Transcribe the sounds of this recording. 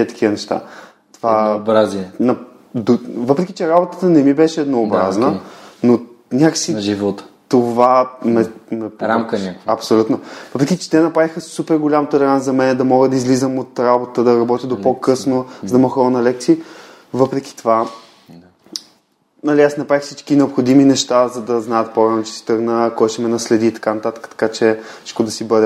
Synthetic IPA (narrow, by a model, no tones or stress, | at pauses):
ət̪ɐ̥kʰʲiənɛʃt̪a̰ | t̪ovabɾaziɛnɐ | d̪ovɤpɾɛkʲit͡ʃɛɾabot̪ə̥t̪ənɛmibɛʃɛːd̪noːbɾaznəno | nʲakə̥siʒivɔt̪t̪ovamɛmɛpɾamkənʲakɐpsolʲut̪novɤpɾɛkʲit͡ʃɛ̥t̪ɛnɐpɾavixəsupɛɾɡolʲamt̪ɛlɛɾanzzɐmɛnɛd̪ɐmɔɡəd̪ɐizlizəmot̪ɾabot̪əd̪ɐɾɐbɔt̪ʲjəd̪opokɤsnozd̪ɐməxɔlˠnɐlɛk̚t̪siə | vɤpɾɛkʲi̥t̪ova | nɐliasnɐpɾaixfsit͡ʃkinɛopxod̪iminɛʃt̪azɐd̪ɐznajət̪̚poɾanot͡ʃɛ̥si̥t̪ɤɾɡnəkɔjʃɛmɛnɐslɛd̪iːt̪ɐ̥kanɐt̪at̪ə̥kə̥t̪ɐ̥kat͡ʃɛʃkod̪ɐsibɤd̪ɛ